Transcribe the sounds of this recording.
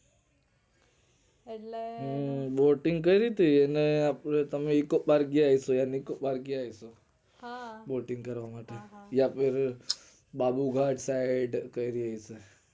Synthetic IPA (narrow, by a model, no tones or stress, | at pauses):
ɦboːʈɪ̃ŋɡkəiɾit̪ieneapɾet̪ɐmẽikobaɾɡiaːisojanikobaɾɡiaːiso | boːʈɪ̃ŋɡkɐɾʋamaːʈejapʰɪɾ | baːbuɡʱaːʈsaɪɖkəiɾiaise